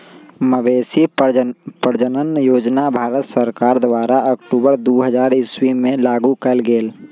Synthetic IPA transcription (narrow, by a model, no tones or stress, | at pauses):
məʋeːsi | pəɾd͡ʒənənjoːd͡ʒnabʱaːɾət̪səɾkaːɾd̪waːɾaʔəkʈuːbəɾd̪uːɦəd͡ʒaːɾɪswimẽlaːɡukəlɡeːl